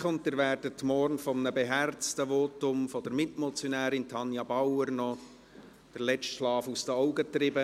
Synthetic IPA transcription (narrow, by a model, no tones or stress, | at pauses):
ʊntːəɾvæːrdətmɔrnfɔmənəbeɦært͡stəvɔtʊmfɔd̥əɾmɪtmɔt͡sjɔnæːɾɪntʰɑnjɑbɑwəɾnɔ | d̥ərlɛt͡stʃlɑːfusd̥əɔʊɡətɾɪbə